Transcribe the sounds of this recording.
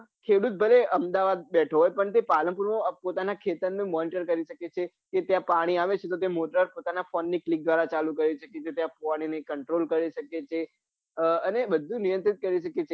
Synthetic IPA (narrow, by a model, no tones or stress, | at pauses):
ɦ | kʰeɽut̪̚bʱəleʔəmd̪aʋad̪̚bɛʈʰoɦojpəɳt̪̬epaləmpuɾmãpot̪anakʰet̪əɾnẽmɔniʈəɾkəɾiʃəket͡ʃʰe | ket̪jãpaɽ̃iaʋet͡ʃʰet̪ot̪̬emoʈɾəɾpot̪anafonːiklik̚d̪ʋaɾat͡ʃalukəɾiʃʰəket͡ʃet̪jãpoaɽ̃inekəɳʈɾolkəɾiʃəket͡ʃʰe | ənebəd̪ʱːũnijə̃nt̪ɾit̪̚kəɾiʃəket͡ʃʰe